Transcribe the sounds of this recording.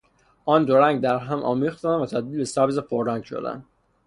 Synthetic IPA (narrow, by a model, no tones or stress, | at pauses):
ʔɒːnd̪oɾæŋɡd̪æɾɦæmʔɒ̰ːmiːxt̪ænvæt̪ʰæd̪̚ilbesæɾbizepʰoɾːæŋɡʃo̰d̪æ̰nd̪̥